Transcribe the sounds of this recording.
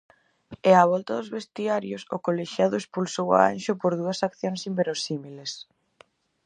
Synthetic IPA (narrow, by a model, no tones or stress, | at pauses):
eaβ̞ɔlt̪ɐðʊzβest̪iaɾjosʊ̰koleʃjaðʊespulsowa̰a̰nʃʊpoɾðuɐsakθjonsimbeɾosimiles